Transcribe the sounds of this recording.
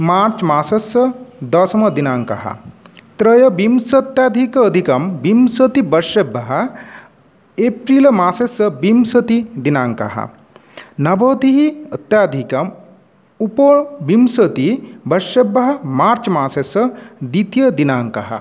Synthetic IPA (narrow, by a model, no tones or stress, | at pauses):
maːɾt͡ʃmaːsɐsɐd̪ɐsmɐd̪inaːŋkɐ̰ɦɐ̰t̪ɾɐjɐbimsɐt̪jaːd̪ʱikɐːd̪ʱikɐmbimsɐt̪ibɐɾʃebːɐɦɐ | epɾiːlmaːsesɐbimsɐt̪id̪inaːŋkɐ̰ɦɐ̰ | nɐbɐːd̪iɦiɐt̪jaːd̪ʱikɐm | upobimsɐt̪ibɐɾʃebːɐɦɐ̆maːɾt͡ʃmaːsesɐd̪it̪jɐd̪inaːŋkɐ̰ɦɐ̰